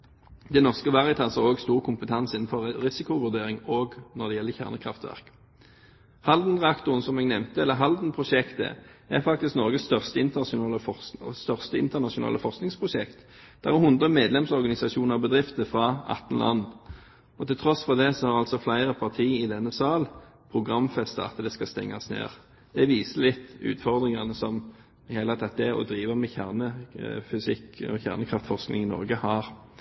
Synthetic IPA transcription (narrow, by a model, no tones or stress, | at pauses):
d̪ɛnɔʁskəʋɑʁɪət̪ʰɑːsɑʁoːɡst̪uːʁkʰʊmpət̪ʰɑnsɪnn̩fɔʁʁɪsɪkʊʋʉʁd̪eːʁɪŋoːɡnɔʁd̪ɛjɛlːəçæ̰ʁnəkʰʁɑ̰ft̪ʋæ̰ʁk | hɑld̪nʁɛɑkt̪ʊʁənsɔmɛɡnɛʋmt̪əɛlːəɦɑld̪n̩pʰʁʊʃɛkt̪ə̰æfɑk̚t̪ɪsknɔʁɡəsst̪œʁst̪əɪnt̪əʊɑːləɔst̪œʁst̪əɪnt̪əʁnɑʃʊnɑ̰ːləfɔʁsknɪŋspʰʁʊʃɛkt̪ | d̪̥æʁɛʁhʊnd̪ʁəmeːd̪lɛmsɔʁɡɑnɪsɑʃuːnəʁbəd̪ʁɪft̪əfʁɑɑ̰t̪ːən̩lʔɑ̰nː | ɔt̪ʰɪlt̪ʰɾɔsfɔʁd̪ɛsɔhɑɾɑlsɔflæɪʁəpʰɑʁt̪ʰiːɪd̪ɛnːəsɑːl | pʰɾʊɡʁɑmfɛst̪əɑ̰t̪d̪ɛskɑst̪ɛ̰ŋːɑsnḛːʁ | d̪̥ɛʋiːsəlɪt̪ːʉ̰ːt̪fɔʁd̪ʁɪŋɑnəsɔm | hɛɪlɑt̪ʰɑt̪ːəɛɔ̰d̪ɾiːʋəmɛçæʁnəfʏsɪkɔ̰çæ̰ʁnəkʰʁɑft̪fɔʁsknɪ̰ŋɪnɔ̰ʁɡəhɑʁ